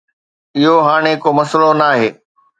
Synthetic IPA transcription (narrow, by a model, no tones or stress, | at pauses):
ɪɦoɦaːɽ̃ekomɐslonaːɦeː